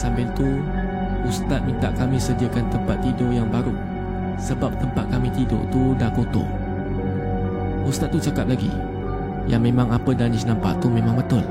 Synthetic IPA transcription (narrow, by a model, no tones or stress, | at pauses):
sambɪlt̪u | ust̪at̪̚mənt̪aʔkamĩsədiakant̪əmpat̪ːidojaŋbaɾu | səbap̚t̪əmpat̪̚kamĩt̪ido̰ʔt̪udahkot̪o̰ | ust̪at̪̚ːut͡ʃakap̚laɡḭ | jaŋmẽmãŋapədanɪsnampa̰ʔt̪umẽmãŋmət̪ʊl